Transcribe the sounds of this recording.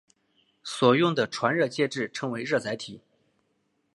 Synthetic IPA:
swɔ˨˩jʊ˥˩ŋd̪ə˩ʈ͡ʂʰwa˧˥nɻɤ˥˧t͡ɕjɛ˥˧ʈ͡ʂɻ̩˥˩ʈ͡ʂʰɤ˧˥ŋwe˧˥ɪɻɤ˥˩t͡sa˧˥ɪt̪ʰi˨˩˦

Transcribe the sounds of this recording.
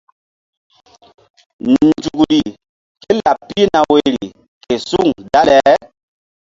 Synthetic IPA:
n˨d͡ʒu˨kɾi˨ | ke˦la˨ppːi˦na˨we˨ɾi˨ | ke˨su˦˨ŋda˦lɛ˨

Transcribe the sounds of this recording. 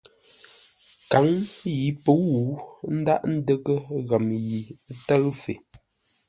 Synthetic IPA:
ka˨˦ŋji˨˦pə˨˦wu˨˦n̩˦da̰˦ʔn̩˦də˦kə˦ɣa˨m˨ji˨˦tə˦ɣfe˨

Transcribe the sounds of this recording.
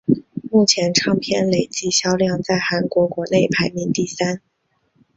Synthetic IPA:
mu˥˩t͡ɕʰjɛ˧˥nʈ͡ʂʰɑ˥˧ŋpʰjɛ˥˧nle˨˩ɪt͡ɕi˥˩ɕjɑ˥ʊljɑ˥˧ŋt͡sa˥˩ɪxa˧˥nkwɔ˧˥kwɔ˧˥ne˥˩ɪpʰa˧˥ɪmi˧˥nt̪i˥˩sa˥n

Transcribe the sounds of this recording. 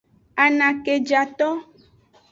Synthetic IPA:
a˨nã˨ke˨d͡ʒa˨t̪ɔ˦

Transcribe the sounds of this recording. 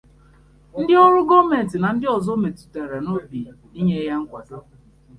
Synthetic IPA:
n̩˦dɪ˦ɔ˦ɾʊ˦ɡɔ˦me˨n̩˨tɪ˨na˨n̩˦dɪ˦ɔ˨zo˦me˨tu̥˨te˨ɾe˨no˦bi˨i˦ɲe˦ja˦ŋ̩˦kʷa˨˦

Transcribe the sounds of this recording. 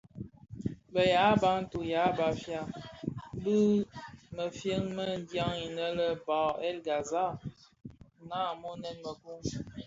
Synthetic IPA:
bə˨ja˨˦ba˨˦n̩˦tu˨ja˨˦ba˨fja˦˨˦ | bɨ˦mə˨fjə˦ŋmə˦n̩˦dja˦ŋi˨nə˦lə˦ba˨ɛ˦lɡa˨za˦˨ | naː˦˨mo˦nɛ˦nmə˨ku˦ŋ

